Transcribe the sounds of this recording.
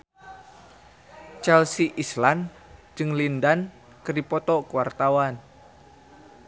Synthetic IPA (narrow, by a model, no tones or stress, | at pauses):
t͡ʃɛlsiʔislan | d͡ʒɨŋlindan | kəripɔt̪ɔkuwart̪awan